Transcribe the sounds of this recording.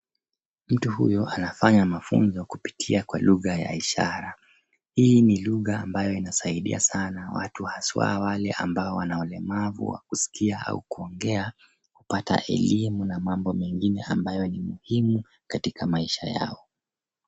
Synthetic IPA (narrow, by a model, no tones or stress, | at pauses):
m̩tuhṵjɔanafaɲamafṵnzɔkupi̥tʰiakwaluɣaja̰iʃaɾa | hiːniluɣaːmbajɔinasaiɗḭasanawa̰tuhaswa̰walɛʔa̰mbaɔwanaɔlɛmavṵwa̰kusi̥kiaa̰ukuɔŋɡɛa | kupata̰ʔɛ̰limunamambɔmɛŋɡinɛambajɔnimuhimu | katikʰamaiʃaja̰ɔ